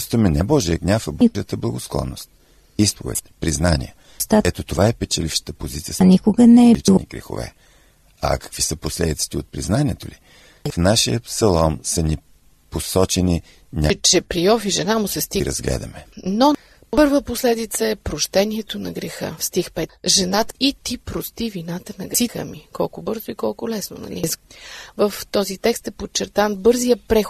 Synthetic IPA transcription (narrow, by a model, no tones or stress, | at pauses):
st̪vəmɛnɛbɔʒiəɡnʲafəbət̪əblˠəɡosklˠɔ̰nːost̪̚ | ispo̰vɛ̰t̪pɾiznanʲḭjə | st̪aɛt̪ot̪ovaɛpɛt͡ʃɐlifʃə̥t̪əpozit̪sijənʲikʊɡənɛɛit͡ʃnḭɡɾḭxo̰vɛ̰ | ɐ̰kɐ̥kvisəposlɛd̪it̪si̥t̪ɛot̪̚pɾiznanʲiɛt̪oli | fnaʃijəpsɐlˠɔmsəni | posɔt͡ʃɛni | nʲat͡ʃɛpɾiɔfiʒɛnamʊsɛst̪iɾɐ̰zɡlɛ̰d̪ɐmɛno | ppɤɾvəposlɛd̪it̪səɛpɾoʃt̪ɛniɛt̪onɐɡɾɛxɤ̰fst̪ixpɛʒɛnat̪it̪ipɾost̪ivinat̪ənɐɡ̪ixə̰mikɔlˠkʊbɤɾzoikɔlˠkʊlɛsno̰nɐ̰lizvəft̪ɔzit̪ɛkst̪ɛpot̚t͡ʃːɛɾt̪anbɤɾzijəpɾɛx